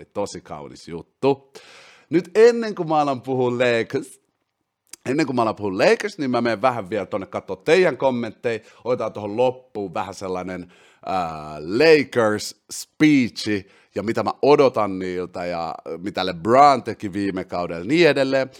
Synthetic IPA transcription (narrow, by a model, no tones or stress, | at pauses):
lit̪osikɑ̰unḭsjut̪ːu | nyt̪enːeŋkumɑlɑmpuhulleik | enːeŋkumɑlɑmpuhulleikərsnimmæmeːʋʋæhæʋʋielt̪onːekkɑt̪ːoːt̪t̪eijæŋkomːent̪ːei | odot̪ɑnt̪ohollopːuːʋʋæhæselːɑnen | əleikərsspiːt͡ʃːi | jɑmit̪æmæʔodot̪ɑnniːlt̪æjɑ̰mit̪ælebrɑːnt̪ekiʋiːmekɑudḛlniedelːe